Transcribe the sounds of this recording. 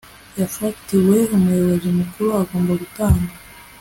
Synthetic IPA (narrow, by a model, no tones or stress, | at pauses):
jafatiwe̞umujoβozimukuɾuaɡoːmbaβutaːnda